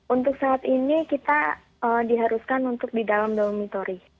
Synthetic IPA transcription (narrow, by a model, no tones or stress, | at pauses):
unt̪ʊksaːt̪inikit̪a | ədiɦaɾuskanunt̪ʊk̚didalamdomit̪oɾi